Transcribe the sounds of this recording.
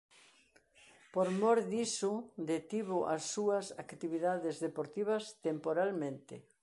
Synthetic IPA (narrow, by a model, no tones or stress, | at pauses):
poɾmɔɾðisʊd̪et̪iβʊʔɐsːuɐsakt̪iβiðaðezðepoɾt̪iβ̞ɐst̪empoɾalmẽnt̪ɪ